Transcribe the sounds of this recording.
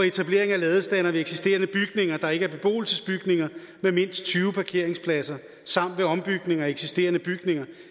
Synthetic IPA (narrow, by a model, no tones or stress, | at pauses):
ɒe̝t͡sʰæb̥le̝ɐ̰eŋælɛːðˠsd̥ænɐʋeeɡ̥sisd̥e̝̰ːɐnəb̥yɡ̥ne̝ŋɐd̥ɑ̈e̝ɡ̥əæɐb̥e̝b̥o̝̰ːl̩səsb̥yɡ̥ne̝ŋɐ | meme̝n̰sd̥̚t͡sʰyːʊəpʰɑ̈kʰe̝ɐ̰e̝ŋspʰlæsɐ | sɑ̈m̰d̥ʋe̝ɒ̽mb̥yɡ̥ne̝ŋɐeɡ̥sisd̥e̝̰ːɐnəb̥yɡ̥ne̝ŋɐ